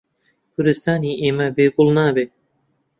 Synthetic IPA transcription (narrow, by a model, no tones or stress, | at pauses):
kʰʊɾd̪ɨst̪ɑːniːʔeːmabeːɡʊlˠnɑːbeː